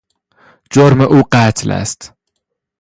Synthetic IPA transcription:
d͡ʒoɾməʔuːqæːt̪ʰlæ̰st̪

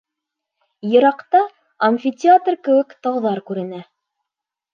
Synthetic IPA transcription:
jɤ̆ɾɑqt̪ɑ | ɐmʲfʲitʲɪat̪rkɘ̆wɘkt̪ɑwðɑɾkʉɾɘ̆næ

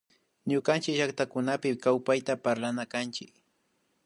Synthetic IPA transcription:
ɲʊkant͡ʃɪkʒakt̪akʊnapɪkawpajt̪apaɾlanakant͡ʃɪk

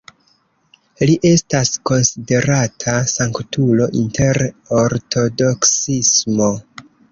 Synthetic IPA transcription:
liʔe̞stasko̞nside̞ɾatʰasaŋktulo̞ʔintʰe̞ɾoɾtʰo̞do̞ksismo̞

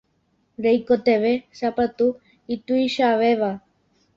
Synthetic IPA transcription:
ɾejkot̪eβesapat̪u | it̪uiʃaʋeβa

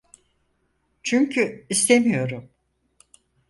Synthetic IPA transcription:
t͡ʃʰyɲcʰyist̪ʰemijo̞ɾum

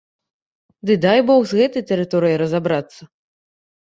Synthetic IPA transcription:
d̪ɨd̪ajbɔxzɣɛt̪ɐjt̪ɛɾɨt̪ɔɾɨjəɾɐzabɾat̪sːɐ

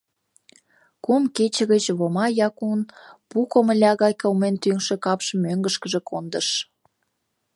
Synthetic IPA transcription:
kumket͡ɕə̆ɣət͡ɕβomɑjɑkunpukomə̆lʲɑɣɑjkolment̪yŋʃĕkɑpʃəmøŋɡəʃkəʒĕkʰond̪əʃ

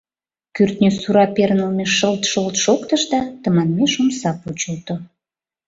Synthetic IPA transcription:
kyrt̪nʲøsuɾɑpernəlmeʃəlt̪ʃəlt̪ʃokt̪əʃd̪ɑt̪əmɑnmeʃomsɑput͡ɕəlt̪o

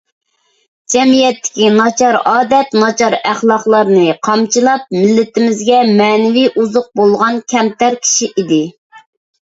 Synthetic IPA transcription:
d͡ʒɛmijɛt̪ːɪ̥kʲinɑt͡ʃʰɑɾɑːd̪ɛt̪nɑt͡ʃʰɑɾæχlˠɑχlˠɑɾnɨqʰɑmt͡ʃʰɨlˠɑp̚mɪlːɪt̪ɪmɪzɡʲɛmɛːnɪviʔuzʊq̚bolˠʁɑnkʲʰɛmt̪æɾkʲʰi̥ʃiʔid̪ɪ

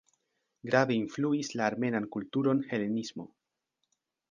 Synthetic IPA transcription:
ɡɾaveinfluislaːɾme̞nankultuɾo̞nhe̞le̞nismo̞̰

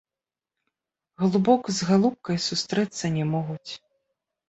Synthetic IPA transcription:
ɣlˠubɔkzɣalˠup̚kɐjsust̪ɾɛt̪sːɐnʲɛmɔɣut͡sʲ

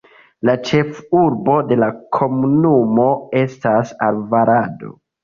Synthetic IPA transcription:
lat͡ʃe̞fuɾbo̞de̞lakʰo̞munumo̞e̞stasalvaɾado̞̰

